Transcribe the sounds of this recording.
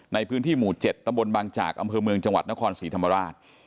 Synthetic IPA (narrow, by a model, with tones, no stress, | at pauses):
na˧jpʰɯː˦˥nt̪ʰiː˥˩muː˨˩t͡ɕe˨˩t̪ːa˧mbo˧nbaː˧ŋt͡ɕa̰ː˨˩k̚ʔa˧mpʰɤː˧mɯ˧əŋt͡ɕa˧ŋwa˨˩t̪̚na˦˥kʰɔː˧nsiː˩˦t̪ʰa˧ma˧ɾaː˥˩t̪̚